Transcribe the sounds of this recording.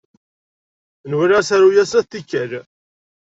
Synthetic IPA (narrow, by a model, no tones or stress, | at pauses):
nwiɾæsæɾujæsæθθikːæl